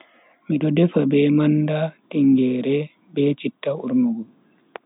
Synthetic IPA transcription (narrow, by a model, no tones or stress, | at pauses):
miɗɔdɛfabɛmandatiŋɡɛːɾɛ | bɛt͡ʃitːauɾnuɡu